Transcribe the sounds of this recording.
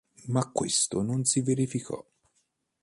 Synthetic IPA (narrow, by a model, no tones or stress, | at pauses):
makːwest̪ononsiveɾifikʰɔ̰